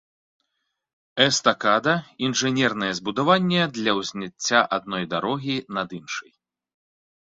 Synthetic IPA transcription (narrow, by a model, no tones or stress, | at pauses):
ɛst̪akad̪ɐinʐɨnʲɛrnɐjɛzbud̪avanʲːɛd̪lʲɐwzʲnʲat͡sʲːaʔad̪̚nɔjd̪aɾɔɣʲinad̪inʂɐj